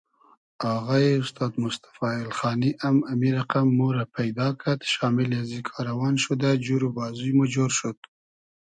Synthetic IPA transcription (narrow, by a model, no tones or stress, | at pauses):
aɣaeʊst̪ɑːd̪mʊst̪ḁfɑɪlxɑːniʔamamiɾaqamːuɾapʰajd̪ɑkat̪ʃɑmɪljazikʰɑɾawɑnʃud̪ad͡ʒuɾubɑzujmud͡ʒoɾʃot̪